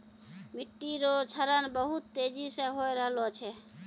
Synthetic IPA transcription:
miʈːiɾot͡ʃʰəɾənbəɦut̪ːed͡ʒisə̃ɦojɾəɦlot͡ʃʰɛ

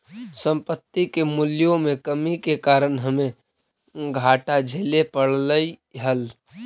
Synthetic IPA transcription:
sə̃mpət̪ːikemuljõmekəmikekaːɾənɦəme | ɡʱaʈad͡ʒʱelepəɽləiɦəl

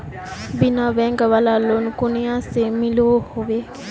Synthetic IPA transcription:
binaʋɛŋɡəʋalalːonukunijasemiloːhoʋe

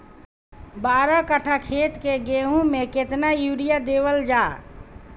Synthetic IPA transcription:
baːɾɔkəʈʰakʰet̪keɡeɦũmeket̪najuɽijad̪ewəld͡ʒaː

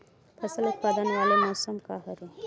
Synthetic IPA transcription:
p̪ʰɐsɐlut̪̚pɐːd̪ɐnɐʋaːlemoːsɐmkaːɦɐɾu

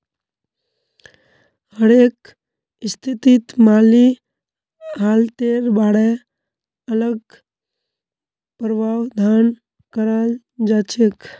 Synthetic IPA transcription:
həɾek | st̪ʰit̪it̪maːli | ɦaːlt̪eːɾbaːɽe | ələɡ | pəɾbawd̪ʱan | kəɾal | d͡ʒat͡ʃek

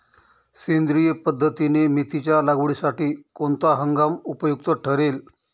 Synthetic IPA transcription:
send̪ɾijəpəd̪ʱːət̪inemit̪it͡ɕjalaɡʋɭisaʈiːkoɳt̪aɦəŋɡamupəjuk̚t̪əʈʰəɾel

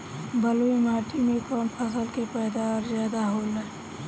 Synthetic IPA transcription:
bəloimaːʈʰimẽkɔːnpʰəs̬əlkepɛːd̪aɾzjaːd̪aɦoːlɛ

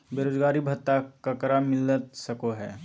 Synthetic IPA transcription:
beːɾoːd͡ʒɡaːɾibʱɐt̪ːakɐkɾamɪlət̪sɐkoɦɛː

